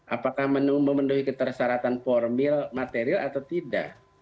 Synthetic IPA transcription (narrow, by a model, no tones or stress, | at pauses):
ʔapakahmənuməmənduhikət̪ərsaɾat̪anpɔrmɪlmat̪eɾialat̪awt̪ida̰ʔ